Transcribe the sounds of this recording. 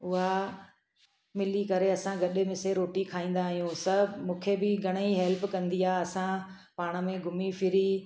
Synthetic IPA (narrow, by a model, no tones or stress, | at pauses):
ʊɦa | mɪlikɐɾeɐsãɡɐɗɪmẽseɾoːʈikʰaːĩːn̆d̪aːɦijũsɐmũːkʰebɪɡʱɐɽ̃iɦɛlpkɐ̃nd̪iaːɐsã | paːɽ̃ə̆mẽɡʱʊmifʰɪɾi